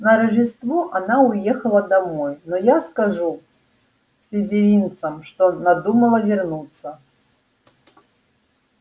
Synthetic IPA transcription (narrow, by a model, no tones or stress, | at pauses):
nɐɾɐʐʲɪst̪vɔʔanaʊjexəlˠəd̪amɔjnɔjaskaʐu | sʲlʲɪzʲɪvʲint̪səmʂt̪onad̪uməlˠəvʲɪrnut̪sːə